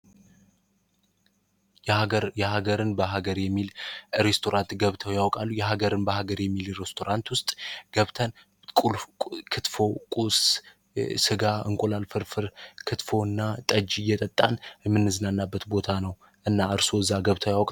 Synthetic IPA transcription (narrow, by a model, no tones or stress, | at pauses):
ɾjɛɦaɡəɾɨnbəɦaɡəɾjɛmːilɾest̪ʰo̞ɾant̪ɡəβt̪ʰəwjawkʼalːujɛɦaɡəɾɨnbəɦaɡəɾjɛmːilɾest̪ʰo̞ɾant̪wʊst̪ʼɡ̥əβt̪ʰən | kʼulʼkʰɨt̪fo̞kʼus | sɨɡaɨ̰ŋkʼulalfɨɾfɨɾkʰɨt̪fo̞ɨnːat̪ʼəd͡ʒijɛt̪ʼət̪ʼːanmːɨnːɨzɨnanːabːət̪bo̞t̪ʰanəw | ʔɨnːaɨɾso̞ɨzːaɡəβt̪ʰəwjawkʼa